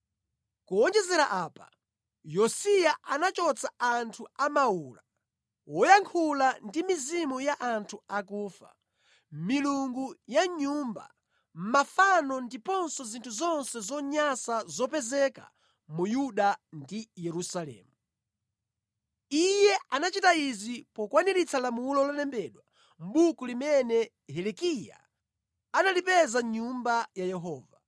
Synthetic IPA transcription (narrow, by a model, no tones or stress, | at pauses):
kuɔnd͡ʒɛzɛɾaʔaːpa | jɔsijaʔanat͡ʃɔt͡saantʰuamauːla | wɔjaŋkʰulandimizimujaʔantʰuakuːfa̰ | miluŋɡujaɲuːmba̰ | m̩mafanɔndipɔnsɔzintʰuzɔnsɛzɔɲasazɔpɛzɛka̰ | mujuɗandijɛɾusalɛ̰ːmu | ijɛanat͡ʃitaizipɔkwaniɾit͡sʰalamulɔlalɛmbɛɗwa | m̩ɓukulimɛnɛ | ɦɛlɛkija̰ | analipɛzaɲumbajajɛɦɔːva